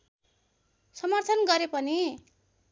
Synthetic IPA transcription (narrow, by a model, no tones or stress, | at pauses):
sʌmʌrt̪ʰʌnɡʌɾepʌni